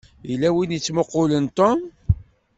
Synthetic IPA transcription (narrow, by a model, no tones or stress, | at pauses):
ilːæwinit͡sːmoqʊlənt̪om